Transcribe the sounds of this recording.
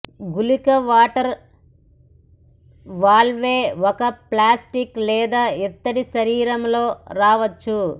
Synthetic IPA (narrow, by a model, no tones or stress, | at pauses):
ɡulikɐʋaːʈɐɾ | ʋaːɭʋeːɔkɐplaːsʈiklɛːd̪aːɛt̪ːɐɽiʃɐɾiːɾɐmlo̞ːɾaːʋɐt͡ʃːu